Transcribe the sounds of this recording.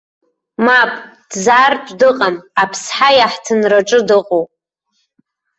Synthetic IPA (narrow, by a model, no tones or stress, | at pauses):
mapʼd̥zart͡ʃʷʼdɨqʼamapʰsħajaħtʰɨnraʈ͡ʂʼɨdɨqʼowpʼ